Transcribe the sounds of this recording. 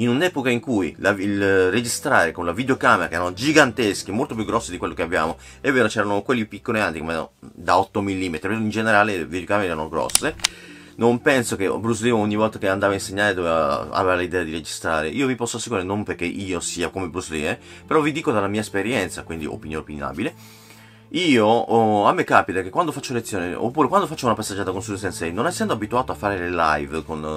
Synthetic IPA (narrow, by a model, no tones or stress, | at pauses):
inunɛːpokaiŋkujlailred͡ʒist̪ɾaːɾekonlavid̪eokaːmeɾakɛːɾanod͡ʒiɡant̪esk̟imolt̪opjuɡːɾɔsːid̪ikwelːokeabja̰ːmo | ɛvːeːɾot͡ʃɛːɾanokwelːipikːoliant̪ikomḛd̪aɔt̪ːomilːiːmet̪ɾipeind͡ʒeneɾaːleḛvid̪jokaːmeɾeɛɾanoɡɾɔ̰sːe | nompɛnsokebɾuslimoɲːivɔlt̪akeand̪aːvainseɲːaːɾed̪ovɛva̰a̰vevalid̪ɛːad̪iɾed͡ʒist̪ɾaːɾeʔiːovipɔsːoasːekuiɾenompeɾrk̟ːeʔiːosiːakomebɾuslḭːme | peɾɔvid̪iːkod̪alːamiːaespeɾjɛnt̪sakwind̪ḭo̰pinjoːneopina̰ːbile | iːoamːekːaːpit̪akekwand̪ofat͡ʃːolet̪sːjoːneo̰pːuːɾekwand̪ofat͡ʃːaunapasːedd͡ʒːaːt̪akonsuɛnsainsɛjnonajsɛnd̪oabit̪uaːt̪oafːaːɾelela̰jvkon